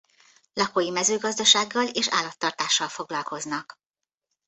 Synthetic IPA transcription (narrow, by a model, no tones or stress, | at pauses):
lɒkoːjimɛzøːɡɒzd̪ɒʃaːɡːɒleːʃa̰ːlːɒt̪ːɒrt̪aːʃːɒlfo̞ɡlɒlko̞znɒk